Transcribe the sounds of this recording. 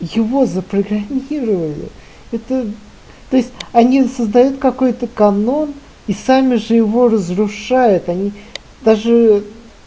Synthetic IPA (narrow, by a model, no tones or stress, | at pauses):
jɪvo̞zəpɾəɡɾɐmʲiɾəvəlʲɪ̰ | ɛt̪ə | t̪o̞jɪsʲtʲɐnʲisəzd̪ɐjut̪kɐko̞jt̪əkɐno̞n | isamʲɪʐɨjɪvo̞rəzɾʊʂajʊt̪ɐnʲi | d̪aʐɨ